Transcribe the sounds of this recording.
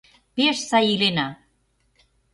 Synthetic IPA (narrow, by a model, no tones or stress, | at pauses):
peʃsajilena